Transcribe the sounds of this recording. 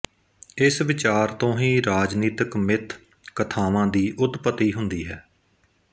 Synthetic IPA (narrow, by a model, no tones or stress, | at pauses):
ɪsʋɪt͡ʃaːɾt̪õːɦĩːɾaːd͡ʒniːt̪əkmɪt̪ʰ | kət̪ʰaːʋãːd̪iːʔʊd̪pət̪ːiːɦʊnd̪iːɦɛː